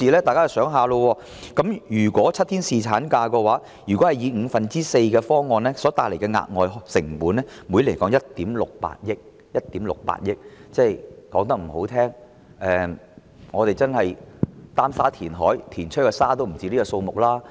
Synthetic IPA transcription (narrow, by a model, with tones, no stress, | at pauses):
iː˨˧lɛː˥t̪aː˨jkaː˦˥t͡sɐ˨˩sœː˨˥ŋɦaː˨lo˧wɔː˧ | kɐ˨˥mjyː˨˩kwɔː˨˥t͡sʰɐ˥t̪ʰiː˥nsiː˨t͡sʰaː˨˥nkaː˧kɛ˧waː˨˥ | jyː˨˩kɔː˨˥hɐ˨jiː˨˧ŋ̩ː˨˧fɐ˨nt͡siː˥se˧jkɛː˧fɔː˥ŋɔː˨˧nlɛː˥sɔː˨˥t̪aː˨k̚le˨˩kɛ˧ŋa̰ː˧t̚ŋɔː˨jɦsɪ˨˩ŋpuː˨˥nlɛː˥mu˨˧˥le˨˩kɔː˨˥ŋjɐ˥t̚t̪iː˨˥mlʊ˨k̚pa̰ː˧t̚jɪ˥k̚ | jɐ˥t̚t̪iː˨˥mlʊ̰˨k̚pa̰ː˧˥t̚jɪ˥k̚t͡sɛː˥˩jkɔː˨˥ŋt̪̬ɐ˥k̚m̩˨˩ho˨˥wt̪ʰɛː˥ŋ | ʔɛː˨˧ | ŋɔː˨˧t̪e˨jt͡sɐ˥nhɐ˨jt̪aː˥msaː˥t̪ʰiː˨˩nɦɔː˨˥jt̪ʰiː˨˩nt͡ʃʰɵ˥kːɛ˧saː˥t̪o˥wm̩˨˩t͡siː˨˧˥li˥kɔ˧so˧wmʊ˨k̚laː˥